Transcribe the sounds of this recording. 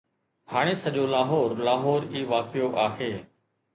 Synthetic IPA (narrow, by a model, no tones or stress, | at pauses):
ɦaːɽ̃eːsəʄoːlaːɦoːɾlaːɦɔːɾiːʋaːkʰɪjoʔaːɦeː